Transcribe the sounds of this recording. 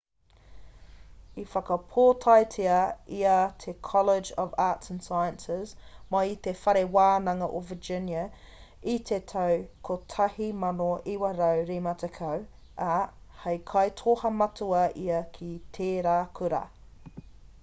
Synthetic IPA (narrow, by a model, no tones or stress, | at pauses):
ifɐkɐpʰoːtʰɑjtʰiɐiɐtʰekʰɔlɪd͡ʒɔvaːtsə̃nsɑjənsɪzmait̪efɐɾewaːnɐŋɐʔovəd͡ʒɪnjɐ | itʰetʰɐwkʰotʰɐhimɐnoiwɐɾəwɾimɐtʰekʰəw | ʔɐhɐjkʰɑjtʰoːhɐmɐtʰuɐʔiɐkʰitʰeːɾaːkʰʉɾɐ̰